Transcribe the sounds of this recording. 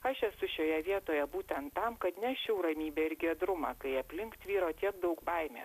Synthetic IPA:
ɐʃɛsʊʃʲoːjɛʋʲiɛt̪oːjɛbuːt̪ʲɛnt̪ːɐmkɐt̪nʲɛʃʲɛʊɾɐmʲiːbʲeːɪɾɡʲiɛd̪ɾʊmɑkɐɪɐpʲlʲɪŋkt̪ʋʲiːɾoːt̪ʲiɛk̚d̪ɐʊkbɐɪmʲḛː

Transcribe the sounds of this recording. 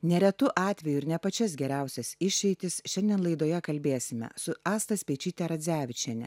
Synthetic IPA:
nʲɛɾʲɛt̪ʊʔɑːt̪ʲʋʲɛjʊɪɾnʲɛpɐt͡ʃʲɛsɡʲɛɾʲæˑʊsʲɛsɪʃʲɛɪt̪ʲɪsʃʲɛnʲd̪ʲiɛnlˠɐɪd̪oːjɛkɐlʲbʲeːsʲɪmʲɛ̰sʊɑːst̪ɐsʲpʲɛɪt͡ʃʲiːt̪ʲɛɾɐd̪zʲæːʋʲɪt͡ʃʲɛnʲɛ̰

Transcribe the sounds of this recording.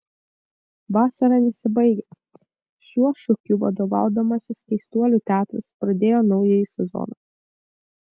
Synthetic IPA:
ʋɑːsɐɾɑnʲɛsʲɪbɐɪɡʲɛ | ʃʲuɔʃʊkʲʊʋɐ̰d̪oʋɑ̰ˑʊd̪ɐmɐsʲɪskʲɛɪst̪uɔlʲut̪ʲæːt̪ɾɐspɾɐd̪ʲeːjoːnɒʊjɛjisʲɛzɔ̰nɑ

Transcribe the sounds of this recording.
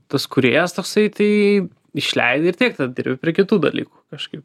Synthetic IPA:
t̪ɐskʊɾʲḛːjɛst̪oːksɐɪt̪ɐɪ | ɪʃʲlʲɛ̰ɪd̪ʲeɪrt̪ʲiɛk̚t̪ɐd̪ʲɪɾʲbʲɪpʲɾʲiɛkʲɪt̪uːd̪ɐ̰lʲḭːku̥kɐʃkɐɪp

